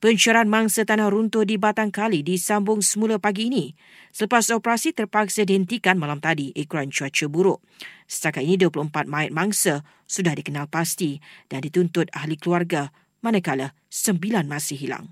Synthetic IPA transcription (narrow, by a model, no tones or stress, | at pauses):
pəɲt͡ʃaɾanmaŋsat̪anahɾunt̪ʊdibat̪aŋkalidisambʊŋsəmulapaɡiːnĩ | sələpasɔpəɾasit̪ərpaksadiənt̪ikanmãlamt̪adiʔikuɾant͡ʃuat͡ʃəbuɾʊʔ | sə̥t̪akat̪̚inĩduəpluəmpat̪̚mãɪt̪̚maŋsa | sudahdikənalpast̪id̥andit̪unt̪ʊt̪̚ahlikəluarɡa | mãnãkalə | səmbilanmãsɪhɦila̰ŋ